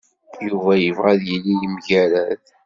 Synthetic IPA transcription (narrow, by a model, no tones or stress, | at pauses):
juvæjəvʁæðjəlːijəmʝæɾæθ